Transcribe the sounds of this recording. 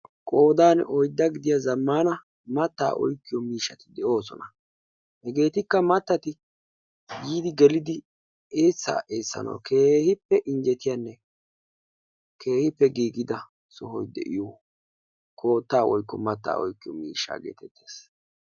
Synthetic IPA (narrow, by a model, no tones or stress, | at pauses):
kʼo̞ːd̪aːnɔjd̪ːɐɡɪd̪ɪjazɐmːaːnɐ | mɐt̪ːa̰ːʔɔ̰jkːɪjɔmiːʃːɐt̪ɪ̥d̪ɛo̞ːsɔ̰nɐ | hɛɡe̞ːt̪ɪkːɐmɐt̪ːɐt̪ɪ | jiːd̪ɪɡɛlɪd̪ɪ | eːt͡sːa̰ːʔeːsːɐ̰nɐ̰wkʰe̞ːhɪpːɛʔɪnd͡ʒɛt̪ɪjanːɛ | kʰe̞ːhɪpːɛɡiːɡɪd̪ɐ | sɔɦɔjd̪ɛ̰ʔɪjɔ | kʰo̞ːt̪ːaːwɔjkːɔmɐt̪ːa̰ːɔ̰jkːɪjɔ̰mḭːʃːa̰ːɡe̞̰ːt̪ɛt̪ːe̞̥ːs